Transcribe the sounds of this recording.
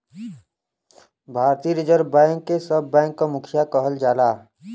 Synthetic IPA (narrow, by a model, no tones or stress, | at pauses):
bʱaːɾt̪iːɾɪd͡ʒəɾbãːŋkːesəbːɛ̃ːŋkːamʊkʰjakəɦəld͡ʒaːlaː